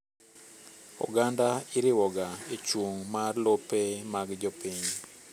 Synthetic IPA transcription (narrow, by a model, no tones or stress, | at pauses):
ɔ̰ɡandaɪɾɪwɔɡaet͡ʃwoŋmarlopemaɡd͡ʒɔpiɲ